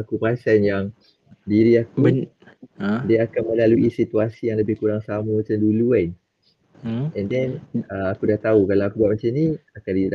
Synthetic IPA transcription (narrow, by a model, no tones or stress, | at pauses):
akupasanjaŋ | diɾiaku | diaakanmə̃laluʔisit̪uasijaŋləbɪhkuɾaŋsamũmət͡ʃamdulua | ɛndɛnəakudaht̪aukalaakubaʔ̚mat͡ʃamnĩakandida